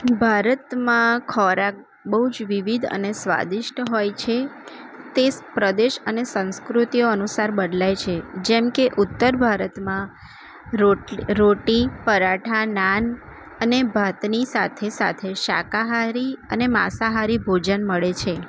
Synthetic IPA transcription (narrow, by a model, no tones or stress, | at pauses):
bʱaɾət̪mãkʰɔɾak̚ | bəɦud͡ʒʋiʋid̪ʱə̰nesʋa̰d̪ɪʃʈəɦojt͡ʃʰe | t̪epɾəd̪eʃənesə̃nskɾut̪ijoənusaɾbəd̪lajt͡ʃʰed͡ʒɛmkeʔut̪ːəɾbʱaɾət̪mã | ɾoɾoʈipəɾaʈʰanan | ənebʱat̪nisa̰t̪ʰesa̰t̪ʰeʃa̰kaɦaɾiənema̰saɦaɾibʱod͡ʒənməɭet͡ʃʰe